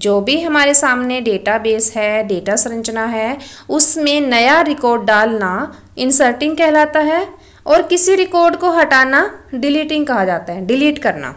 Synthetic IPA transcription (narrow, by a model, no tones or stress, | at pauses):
d͡ʒoːbʱiɦɐmaːɾesaːmneɖeːʈabeːsɦɛːɖeːʈasʊɾɐ̃ɲt͡ʃnaɦɛʊsmẽnɐjaɾɪkɔːɾɖːaːlna | ɪ̃nsəɾʈɪ̃ŋɡ̚kɛɦlaːt̪aɦɛ | ɔːɾkɪsiɾɪkɔːɾɖkoɦɐʈaːnaɖɪliːʈɪ̃ŋɡkɐɦad͡ʒaːt̪aɦɛɖɪliːʈkɐɾna̰ː